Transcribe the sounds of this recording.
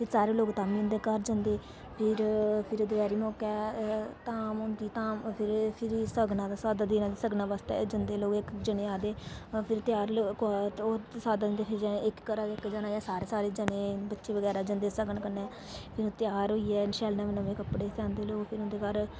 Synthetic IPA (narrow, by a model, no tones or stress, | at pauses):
pʰɪɾsaːɾeːloːɡt̪aːmĩːʊnd̪eːkəɾd͡ʒə̃nd̪eː | pʰɪɾpʰɪɾoːd̪əɡɛːɾiːmɔːkɛːt̪aːmʊnd̪iːt̪ãːmpʰɪɾpʰɪɾisəɡnãːd̪aːsaːd̪aːd̪inãːd̪isəɡnaːbəst̪ɛ̰ːd͡ʒənd̪eːloːɡɪkd͡ʒəneːaːd̪eːpʰɪɾt̪ɪjaːɾlːk̪osaːd̪aːd͡ʒnd̪eːpʰɪɾd͡ʒɪkkːəɾaːd̪eːkd͡ʒənaːjaːsaːɾeːsaːɾeːd͡ʒəneːbətːʃeːʋəɡɛːɾaːd͡ʒənd̪eːsəɡəɳkəneː | pʰɪɾõt̪ɪjaːɾɦoiːɛːnʃɛːlnãːmeːnəʋẽːkəpɽeːt̪ãːnd̪eːloːɡpʰɪɾʊnd̪eːkəɾ